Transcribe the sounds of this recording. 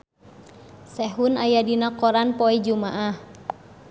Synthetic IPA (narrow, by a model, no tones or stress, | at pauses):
sɛɦunajadinakɔɾanpɔɛd͡ʒumaʔah